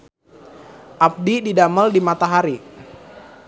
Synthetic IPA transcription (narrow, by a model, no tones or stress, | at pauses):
ʔap̚dididaməldimat̪aɦaɾi